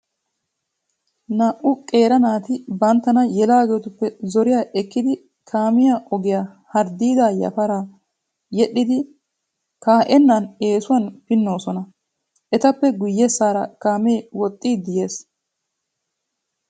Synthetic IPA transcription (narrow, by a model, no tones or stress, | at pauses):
naʔʊkʼe̞ːɾɐnaːt̪ɪbɐnt̪ːɐnɐjɛlaːɡeːt̪ʊpːɛzɔɾɪjaːʔɛkːɪd̪ɪ | kʰaːmɪjaʔɔɡɪjaː | hɐɾd̪iːd̪aːjɐ̰fɐɾaː | jɛɗːɪd̪ɪ | kaːʔɛnːane̞ːsʊwɐnpɪnːo̞ːsɔnɐ | ʔɛt̪ɐpːɛɡʊjːɛsːaːɾɐkaːmeːwɔt̪ʼːiːd̪ɪje̞ːs